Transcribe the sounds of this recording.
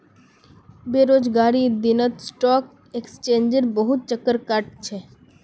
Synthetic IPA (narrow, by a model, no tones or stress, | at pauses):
beːɾoːd͡ʒɡaːɾid̪ɪnət̪sʈɔːk | ekst͡ʃẽːnd͡ʒəɾbəɦʊt̪̚t͡ʃəkːəɾkaʈ̚t͡ʃʰeː